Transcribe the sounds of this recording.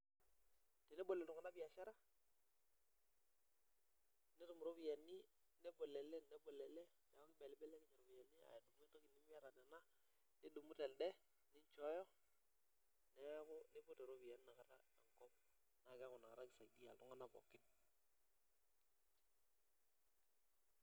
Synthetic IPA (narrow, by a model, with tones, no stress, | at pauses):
te˨nɛ˦bo˨lɛ˨ltʊ˨ŋa˦na˦bɪ˦a˨ʃa˦ɾa˦ | ne˦tʊ˨mu˨ɾo˦bi˨jɛ˨ni˦ | nɛ˦bo˨lɛ˨lɛ˦˨nɛ˦bo˨lɛ˨lɛ˦ | nɛ˨˦ɔ˦kɪ˦bɛ˨lɪ˦bɛ˦lɛ˦kɪ˦ɲɛ˨ɾo˨bi˨jɛ˨nɪ˦a̰˨ɛ˨tu˨˦me˦to˦kɪ˨nɪ˦m˦a˦ɾa˨dɛ˨na˦ | nɪ˦du˨mu˦tɛ˨ldɛ˦ | nɪ˦ɲt͡ʃɔ˦jɔ˦ | nɛ˦kʊ˦ne˦bo˦te˨ɾo˦bi˨ja˨n˦na˨ka˨ɾa˦a˨ŋkɔ˦p̚ | na˨ka˦kʊ˨na˨ka̰˨ɾa˦kɪ˨sa˨di˦a̰˨tʊ˦ŋa˦na˨bɔ̰˨kɪ˦n